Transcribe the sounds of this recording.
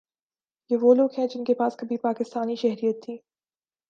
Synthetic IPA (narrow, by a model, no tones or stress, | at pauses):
jeːʋoːloːɡɦɛ̃d͡ʒɪnkepaːskɐbʱipaːkɪst̪aːniʃɛɦɾijət̪ʰːiː